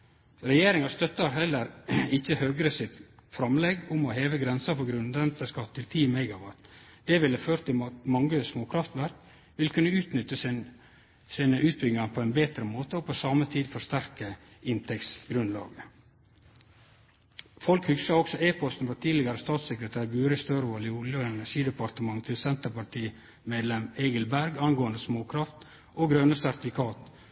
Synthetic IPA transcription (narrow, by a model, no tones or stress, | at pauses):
ɾɛjeːɾɪŋɑst̪œt̪ːɑɾɦɛlːəɾɪçəhøːɡɾəsɪt̪fɾɑmlɛɡʊmɔheːʋəɡɾɛnsəfɔɡɾʉnd̪ənt̪əskɑt̪ʰːɪlt̪ʰiːmɛɪɡɑʋɑt̪d̪̥ɛʋɪlːəføːɾt̪ʰːɪɑmɑŋɡəsmoːkʰɾɑft̪ʋæɾk | ʋɪlkʰʉnːəʉːt̪nʏt̪ːəs | siːnəʔʉːt̪̚bʏɡ̪ɪŋɑnpʰoɛɪnbeːt̪ɾəmoːt̪əɔpʰɔsɑːmət̪ʰiːd̪fɔʂt̪æɾkəɪnt̪ʰɛktsɡɾʉnlɑ̰ːɡə | fɔlkhʏksɑɔksɔʔeːpʰɔst̪n̩fɔɾʈ̪ʰiːd̪lɪɡəɾəst̪ɑːt̪sɛkɾət̪ʰæːɾɡʉːɾɪst̪øːɾʋoːlɪʊljəɛnæʂiːd̪əpɑɾt̪əmɑŋt̪ʰɪlsɛnt̪əpɑʈʰiː | meːd̪lɛmeɪɡəlbæɾɡɑnɡoːənd̪əsmoːkʰɾɑft̪ | oɡɾœnəsæɾt̪ɪfɪkʰɑːt̪